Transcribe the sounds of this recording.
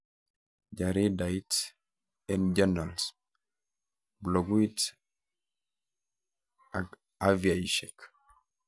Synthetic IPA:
ɟaɾidait | ɛnd͡ʒanals | bloɡuit | aɡ | aviaiʃɛk

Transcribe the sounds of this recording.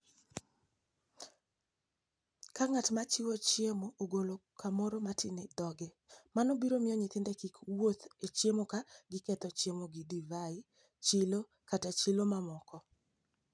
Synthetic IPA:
kaŋatmat͡ʃɪwot͡ʃjemoʔoɡolokʰamɔɾomatʰɪnɪd̪ɔɡe | manobiɾomɪɔɲɪt̪ɪndɛkikwot̪et͡ʃjemokaɡɪkɛt̪ɔt͡ʃjemoɡɪdivaɪ | t͡ʃɪlo | katat͡ʃɪlomamɔkɔ

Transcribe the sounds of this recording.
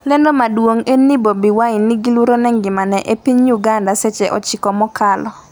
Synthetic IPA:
lɛndɔmadwoŋenːibobiwaɪnːɪɡiluɾonɛŋɡɪmanɛʔepiɲjuɡandasɛt͡ʃɛʔɔ̰t͡ʃɪkɔmɔkalɔ

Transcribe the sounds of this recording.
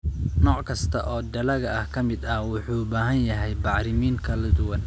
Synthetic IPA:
nɔːʕkʰɐst̪ʰɐʔɔːd̪ɐlɐɣɐɐhkʰɐmɪd̪ɐhwʊħuːbaːɦɐnjɐɦɛjbɑʕɾɪmiːŋkʰɐlɐd̪ʊwɐn

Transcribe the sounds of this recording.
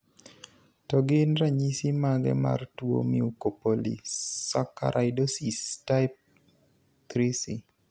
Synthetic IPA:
tɔɡɪnraɲisimaɡɛ̰ma̰rtwo̰miukopolḭsaka̰ɾʔaɪdosistaɪp̚ | t̪ɾisi

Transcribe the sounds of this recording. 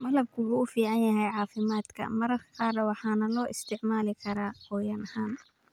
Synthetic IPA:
mɐlɐb̚kʰʊɡuʊfiːʕɑnjɐɦɛjʕɑːfɪmaːd̪kʰɐ̰mɐɾɐrkʰɐ̥qɑːɾɐwɑħɑːnɐlɔːʔɪst̪ʰɪʕmaːlɪkʰɐɾaːhɔːjɐnɐhaːn

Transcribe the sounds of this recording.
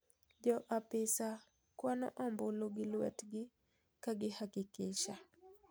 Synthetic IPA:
d͡ʒɔʔapɪsa | kwanɔ̰ʔɔmboloɡɪlwɛ̰tɡɪ | kaɡɪhakɪkɪʃa

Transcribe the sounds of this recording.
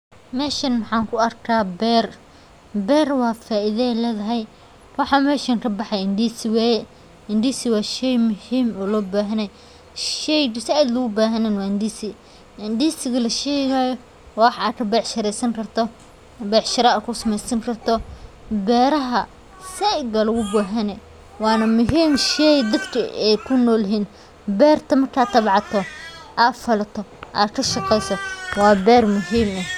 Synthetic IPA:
mɛːʃɐnmɑħɑːŋkʰʊɐrkʰaːbɛːr | bɛːrwɑːfaːɪðɛlɛːðɐɦɛj | wɑħɑmɛːʃɐŋkʰɐbɑħɑjɪnd̪iːsɪwɛːjɛ | ɪnd̪iːsɪwɑːʃɛjmʊhiːmɔːlɔːbaːɦɐnɛj | ʃɛjd̪sɪaːd̪lɐɣʊbaːɦɐnɛːnwɑːɪnd̪isɪ | ʔɪnd̪iːsɪɣɐlɐʃɛːɣaːjɔ | wːħaːkʰɐbɛːʕʃɐɾɛsɐŋkʰɐrt̪ʰɔ | bɛːʕʃɪɾɐaːkʰʊsɐmɛjsɐŋkʰɐrt̪ʰɔ | bɛːɾɐɦɐ | sɛɡɐlʊɣʊbaːɦɐnɛ | wɑːnɐmʊɦiːmʃɛjd̪ɐbkʰɐɛjkʰʊnɔːlɦiːn | bɛːrt̪ʰɐmɐrkʰaːt̪ɐbʕɑt̪ʰɔʔaːfɐlɐt̪ʰɔʔa̰ːkʰɐʃɑqɛjsɔwɑːbɛːrmʊɦiːmɐ

